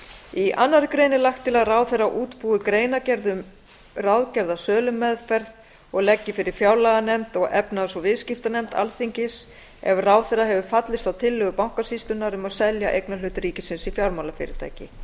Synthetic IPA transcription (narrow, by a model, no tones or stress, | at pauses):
iʔa̰nːaɾɪkɾejnɪlaxkt̪ːɪlaðraːwθɛrːaʔuːt̪puːʏkɾeːjnacɛɾðʏm | rawðcɛɾðasœːlʏmːɛðfɛɾð | ɔɣlɛcːɪfɪɾɪɾ̥fjaːwlaɣanɛmt̪ɔɣɛpnasɔvɪðscɪft̪anɛmt̪a̰lθiɲcɪs | ɛ̰vraːwθɛɾaɦɛvʏfat̪lɪst̪awt̪ʰɪlːʏɣʏpawŋ̥kasist̪ʏnaɾʏmaðsɛljaʔḛjknalʏːt̪ɾiːcɪsɪnsifjawlmawlafɪ̰ɾɪ̰ɾ̥t̪ʰa̰ːjcɪ